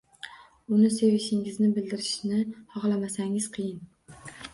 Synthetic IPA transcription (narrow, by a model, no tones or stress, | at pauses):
ʊnɪse̞vɪʃɪŋɪznɪbɪld̪ɪɾɪʃnɪhɒʁlˠamasaŋɪz̥qʰɨjɪn